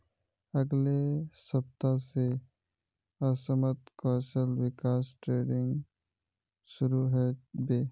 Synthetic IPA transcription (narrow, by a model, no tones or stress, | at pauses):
əɡlesəp̚t̪ase | əsəmət̪kəːsəlwɪkaːsʈɾeːɖɪ̃ŋɡ | ʃʊɾuɦɛbeː